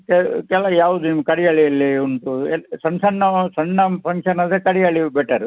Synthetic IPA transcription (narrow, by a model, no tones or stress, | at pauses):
kɛkɛlɐjaːʋud̪unimkɐɽijɐɭiɐlːiuɳʈuesɐnsɐnːɐsɐnːɐpʰɐŋkʂɐnɐd̪ekɐɽijɐɭibɛʈɐɾu